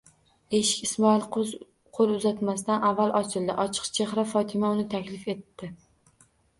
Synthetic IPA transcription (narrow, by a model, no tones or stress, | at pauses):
e̞ʃɪ̥kʲismɒil | qʰolˠʊzat̪mast̪anavːalˠʔɒt͡ʃʰɪld̪ɪʔɒt͡ʃʰɨ̥qt͡ʃʰeχɾafɒt̪ʰɪmaʊnɪt̪ʰakʲlɪfe̞t̪ːɪ